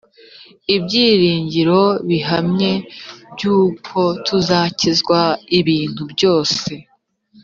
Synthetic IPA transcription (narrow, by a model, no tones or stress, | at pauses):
ibɟiːɾiːɲɟiɾo̞βiɦamɲe̞bɟuːkʰo̞tʰuzaːcizɡwaiβiːn̥hubɟo̞ːse̞